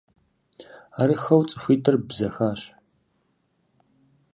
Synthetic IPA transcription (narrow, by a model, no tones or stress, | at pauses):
aɾɨxɐwt͡sʼɨ̥xʷiːtʰɨrbzɐxaːɕ